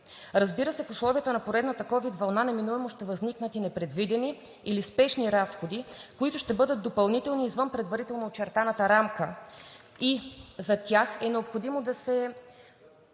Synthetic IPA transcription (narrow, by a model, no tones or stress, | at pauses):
ɾɐzbiɾəsɛfʊslˠɔvijət̪ənɐpoɾɛd̪nət̪əkɔvid̪vɐlˠnanɐminuɛmʊʃt̪ɛvɐzniknət̪inɛpɾɛd̪vid̪ɛni | ilispɛʃniɾasxod̪ikoit̪ʊʃt̪ɛbɤd̪ət̪̚d̪opɐlˠnit̪ɛlˠniːzvɤnpɾɛd̪vɐɾit̪ɛlˠnoot͡ʃɛɾt̪anət̪əɾamkə | izɐt̪ʲjaxɛnɛopxod̪imod̪ɐsɛ